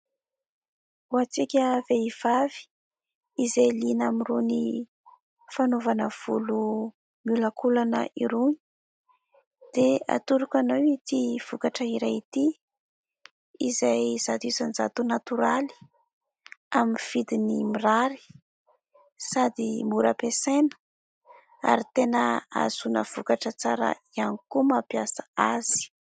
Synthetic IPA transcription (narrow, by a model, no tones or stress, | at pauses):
uat͡sikʲəveiv̥avi̥ | izajlinamiruni | fanovanəv̥ulu | miulakulanə̰ʔiɾuɲi̥ | d̪̥ea̰t̪uɾukanawit̪iv̥ukaʈ͡ʂəiɾajit̪i | izajz̥ad̪uzanza̰t̪unat̪uɾali̥ | aminifid̪inimiraɾi̥ | sad̪imuɾəpesenə̥ | a̰ɾit̪enəa̰zunəv̥ukaʈ͡ʂət͡saɾə̰ianikumapjasḁaz̥i̥